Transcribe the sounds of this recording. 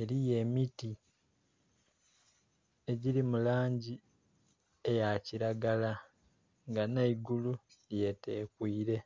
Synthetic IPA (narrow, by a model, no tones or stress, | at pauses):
e̞ɾije̞miti | e̞ɟiɾimulaːɲɟi | e̞jaciɾaɡala | ŋɡanaiɡulu | je̞te̞ːkwiːɾe̞